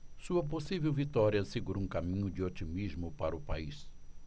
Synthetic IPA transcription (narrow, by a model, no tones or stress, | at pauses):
suɐp̬osivewvit̪ɔɾiɐsɪɡuɾoũkamĩɲʊd͡ʒɪot͡ʃimizmʊpaɾɐʊpa̰is